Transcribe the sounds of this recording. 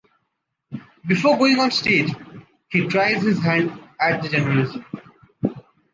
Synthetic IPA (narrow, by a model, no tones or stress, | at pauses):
bɪfoːɾɡoːɪ̃ŋɔ̃ːnsʈeːd͡ʒ | hiːʈɾaɪzhɪzɦæ̃ɳɖæʈ̚d̪əd͡ʒɛ̃nəɾəlɪzə̃m